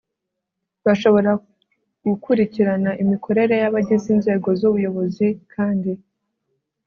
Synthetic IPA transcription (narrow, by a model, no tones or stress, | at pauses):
βaʃo̞βo̞ɾa | ɡ̥ukuɾiciɾanaʔimikʰo̞ɾe̞ɾe̞jaβaɟiziːnze̞ːɡo̞zuβujo̞βo̞zikʰaːndi